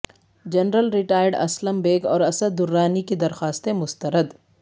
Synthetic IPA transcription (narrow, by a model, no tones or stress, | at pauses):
d͡ʒɐnɾəlɾɪʈaːjəɾɖɐ̰sləmbeːɡɔːɾɐsəd̪ːʊɾːaːnikid̪ɐɾxaːst̪emʊst̪əɾəd̪